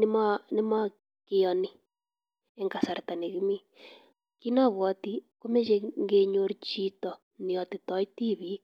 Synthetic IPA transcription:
nɪ˦ma˦nɪ˦ma˦ | kɪ˨jɔ˨ni˦ | ɛ˨ŋɡa˨sa˨ɾt̪a˨ne˨ɣi˦mi˦ | ki˦na˦βwɔ˨˦ti˦ko˦me˦d͡ʒe˦ŋɡe˦ɲo˦ɾt͡ʃi˦tɔ˨ | ni˨ɔ˨tɪ˨tɔ˨˦i˦ti˦βi˦

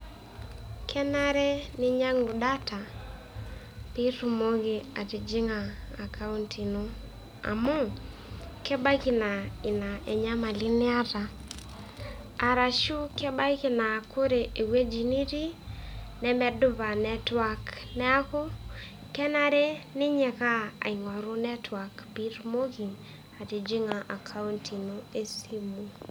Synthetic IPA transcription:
kʰɛ˦na˦ɾɛ˦nɪ˦ɲa˦ŋu˨ɗa˦tʰa˨ | pi˦tu˨mo˦ɣe˨a˨ti˨d͡ʒi˦ŋaː˨ka˦u˦ntʰi˨no˦ | a̰˨mɔ˦ | kɛ˦ba˦ki˨na˨i˨na˨ʔɛ˨ɲa˦ma˨li˦nɪ˦a˦ta˨ | a˨ɾa˨ʃu˦kɛ˦ba˦kɪ˦na˨kʰo˦ɾe˨e˨we˦d͡ʒi˨ni˦ɾi˦ | nɛ˦mɛ˦dʊ˦βa˨nɛ˦twa˦knɛ˦a˦kɔ˦ | kɛ˦na˨ɾe˦nɪ˦ɲɛ˨ka˦a̰˨i˨ŋɔ˨ɾo˦nɛ˦tʰwa˨kbi˦ɾmo˦ɣi˨ŋ | a˨ti˨d͡ʒi˦ŋa˨ʔa˨kʰa˦u˦ntʰi˨no˦e˦si˦mu˨

